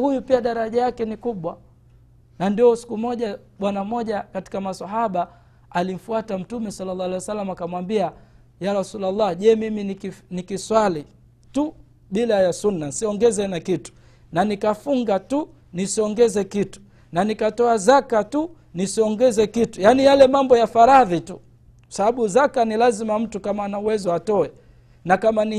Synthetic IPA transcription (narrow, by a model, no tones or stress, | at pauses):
hujupiaɗaɾaʄajakɛnikuɓwa | nandiɔsi̥kumɔʄa | ɓwanamɔʄakati̥kamasaɦaɓa | alim̩fuatam̩tumɛsalːalːaalɛjwasalːamakamwambia | jaɾasulalːaʄɛmiminikinikiswali | tu | ɓilajasunːansiɔŋɡɛzɛnakitu̥ | nanikafuŋɡatu | nisiɔŋɡɛzɛkitu̥ | nanikatɔazakatu | nisiɔŋɡɛzɛkitujanijalɛmambɔjafaɾaðitu | kḁsaɓaɓuzakanilazimam̩tukamaːnauwɛzɔatɔɛ | nakamani